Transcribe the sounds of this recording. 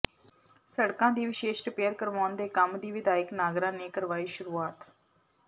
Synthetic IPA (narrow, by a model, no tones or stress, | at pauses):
səɽkãːd̪iːʋɪʃeːʃʈəpeːəɾkəɾʋaːnd̪eːkəmd̪iːʋɪd̪aːɪknaːɡɾãːneːkəɾʋaːiːʃʊɾuːaːt̪